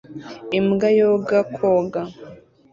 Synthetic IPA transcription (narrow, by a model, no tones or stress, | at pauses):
imɡajoɡakʰoɡa